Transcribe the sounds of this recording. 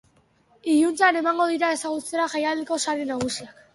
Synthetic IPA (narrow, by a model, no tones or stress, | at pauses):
iʎunt͡sane̞maŋɡo̞ð̞iɾae̞saɣ̞ut͡seɾaʝajald̪eko̞saɾenaɣ̞usiak